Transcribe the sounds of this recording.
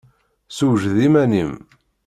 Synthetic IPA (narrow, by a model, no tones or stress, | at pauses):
suʒðimænim